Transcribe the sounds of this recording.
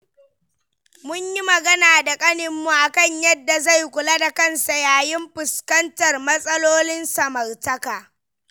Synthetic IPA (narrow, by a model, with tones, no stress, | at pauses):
mʊ˦ɲji˦mɐ˨ɡɐ˦naː˨da˨kʼɐ˦nɪ˨mːu˨ʔa˨kɐ˦˨ɲjɐ˦dːa˨za˦˨jkʷʊ˨la˦da˨kɐ˦˨nsa˨jaː˨jɪ˦mɸɪ˨skɐ˦ntɐ˨rmɐ˦sʼɐ˦loː˦lɪ˦nsɐ˨mɐ˨rtɐ˦kaː˨